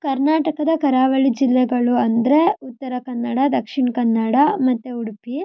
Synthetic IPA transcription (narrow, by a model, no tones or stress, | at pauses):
kɐɾnaːʈɐkɐd̪ɐkɐɾaːʋɐɭid͡ʒilːɛɡɐɭuɐnd̪ɐɾe̞ut̪ːɐɾɐkɐnːɐɽɐd̪ɐkʂiɳkɐnːɐɽɐmɐt̪ːeuɽpi